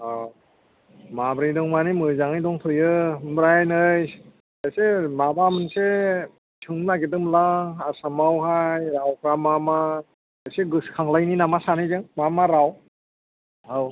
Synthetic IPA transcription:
a | mabɾijdɔŋmanimɯzaŋɯjdɔŋtʰojɯmbɾajnɯj | ajsemabamɯnse | t͡ʃʰɯŋlaɡedɯmlaasamawɦajɾawkʰɾamama | ajseɡɯskʰaŋlajninamasanɯzɯŋmamaɾaw | haw

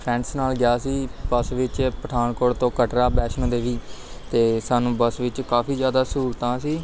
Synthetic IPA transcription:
pʰɾɛ̃ːɳɖsnaːlɡjaːsiːbəsʋɪt͡ʃpəʈʰaːnkoːɽt̪õːkəʈɾaːbɛːʃnõːd̪eːʋiːt̪eːsaːnũːbəsʋɪt͡ʃkaːpʰiːd͡ʒjaːd̪aːsuːɾt̪ãːsiː

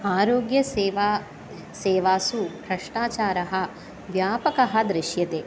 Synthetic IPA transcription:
aːɾoːɡjɐʋa | seːʋaːsuɦɾɐʂʈaːt͡ʃaːɾɐɦɐ̆ | ʋjaːpɐkɐɦɐd̪ɾɪʃjɐt̪eː

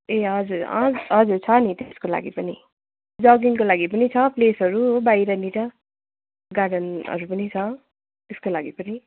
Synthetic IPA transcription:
eɦʌd͡zuɾʌ̰ɦʌd͡zuɾt͡sʰʌnit̪skola̰ɡipʌni | d͡zʌɡinkolaɡipʌnit͡sʰʌplesɦʌɾubaiɾʌniʈʌ | ɡaɽʌnʌ̰ɾupʌnit͡sʰʌ | t̪eskolaɡipʌni

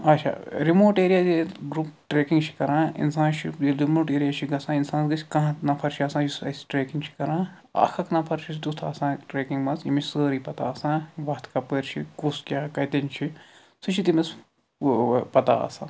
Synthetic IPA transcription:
ɐt͡ʃʰa̰ːɾimoːʈeːɾijazeɡɾupʈɾeːkiŋɡt͡ʃʰi̥kɐɾãːḭnsãːnt͡ʃʰiid̪umoːʈeːɾijaːt͡ʃʰiɡɐsãːinsaːnɡɨsʰʲkɐ̃ɦãnɐpʰɐɾt͡ʃʰiɐsãːd͡ʒisɐ̰si̥ʈɾeːkiŋɡt͡ʃʰi̥kɐɾãː | ɐ̰kʰɐknɐpʰɐɾt͡ʃʰisd̪ust̪ʰa̰ːsãːʈɾeːkiŋɡmɐzimit͡ʃʰʲsəːɾiːpɐt̪a̰ːɐsãːʋɐt̪ʰkɐpəːɾt͡ʃʰḭkuskʲjaːkɐt̪enʲt͡ʃʰi | sɨt͡ʃʰit̪imɐs | pɐt̪a̰ɐ̰sa̰ː

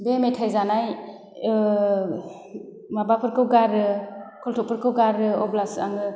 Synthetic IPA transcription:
bemetʰajzanaj | mabapʰɯɾkʰɯwɡaɾɯkʰɔltʰɔk̚pʰɯɾkʰɯwɡaɾɯɔblasa̰ŋɯ

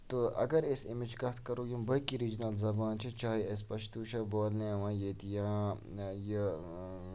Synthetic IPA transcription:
t̪oʔɐ̰ɡɐɾesimid͡ʒɡɐt̪ʰkɐɾoːjũmbɐkiɾid͡ʒnɐlzɐbaːnt͡ʃʰit͡ʃaːɦiɐs̬pɐʃt̪uːʃɐboːlneːʋãːjeːt̪ijãː | je

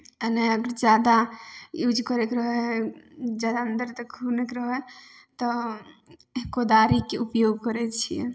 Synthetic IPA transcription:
əneəɡəɾd͡ʒad̪ajud͡ʒʱkəɾekɾəɦɛ | d͡ʒad̪aənd̪əɾt̪əkunekɾəɦɛ | t̪ɔ | eɦkod̪aɾikeupjoɡ̚kəɾɛt͡ʃʰijɛ̰

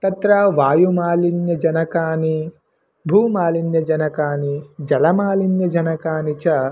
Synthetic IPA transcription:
t̪ɐt̪ɾaʋaːjumaːlinjɐd͡ʒɐnɐkaːni | bʱuːmaːlinjɐd͡ʒɐnɐkaːnid͡ʒɐlɐmaːlinjɐd͡ʒɐnɐkaːnit͡ʃɐ

